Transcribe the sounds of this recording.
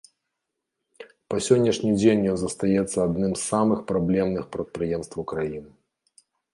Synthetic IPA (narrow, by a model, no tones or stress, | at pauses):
pɐsʲɔnʲːɐʂnʲid͡zʲenʲjɔnzɐst̪ajɛt̪sːɐad̪nɨmsːamɨxpɾablʲɛmnɨxpɾɐt̪̚pɾɨjɛmst̪vɐwkɾajinɨ